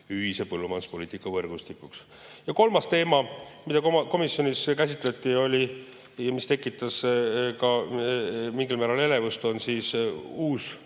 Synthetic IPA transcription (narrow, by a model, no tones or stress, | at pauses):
yɦise̞pɤlːumɑnspo̞liːt̪ikːˑɑvɤrɡ̥ust̪ikˑuks | jɑko̞lmɑst̪e̞ːmɑmid̪̥ɑkoko̞misːjo̞niskæsʲit̪ˑlet̪ːˑio̞lʲi | jɑmist̪e̞kːˑit̪ːˑɑskɑ | miŋɡilmæːɾɑle̞le̞vust̪o̞nsiːsuːs